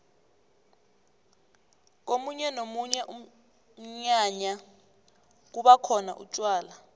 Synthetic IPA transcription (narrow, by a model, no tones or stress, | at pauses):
k̬omuɲɛnomuɲɛʔum̩ | ɲaɲa | k̬uɓakʰɔna̰ʔṵt͡ʃʼwaːla